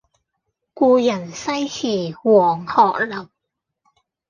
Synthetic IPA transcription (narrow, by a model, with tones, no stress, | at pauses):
kuː˧jɐ˨˩nsɐ˥jhʰiː˨˩wɔː˨˩ŋhɔː˨k̚lɐ˨˩p̚